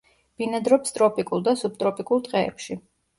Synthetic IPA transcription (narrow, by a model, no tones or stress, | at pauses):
b̥inad̪ɾɔpst̪ʼɾɔpʼikʼulˠd̪asub̚t̪ʼɾɔpʼikʼulˠt̪ʼqʼɛɛ̰pʃi